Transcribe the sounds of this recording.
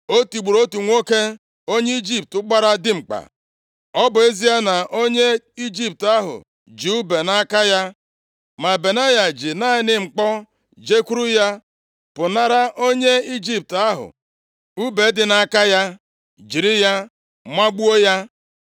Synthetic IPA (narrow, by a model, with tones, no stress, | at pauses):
o˦tu˨ɡ͡bu˨ɾo˦tu˨ŋʷo˦ke˦ | o˦ɲe˦i˦d͡ʒi˦p̚tʊ˦ɡ͡ba˦ɾa˦dɪ˦ŋ͡m̩˨k͡pa̰˨ | ɔ˦bʊ˨e˦zi˦a˦na˨ʔo˦ɲe˦ | i˦d͡ʒi˦p̚ta˦ɦʊ̰˨ | d͡ʒi˨u˦be˨na˦ka˦ja˦ | ma˨be˨na˦ja˨d͡ʒi˨na˦˨ɪ˦nɪ˦ŋ͡m̩˨k͡pɔ˦ | d͡ʒe˦ku˦ɾu˦ja˦ | pʊ˨na˦ɾa˦ʔo˦ɲe˦i˦d͡ʒi˦p̚ta˦ɦʊ̰˨ | u˦be˨˦dɪ˨na˦ka˦ja˦ | d͡ʒi˨ɾi˦ja˦ | mʷa˦ɡ͡bu˦o˦ja˦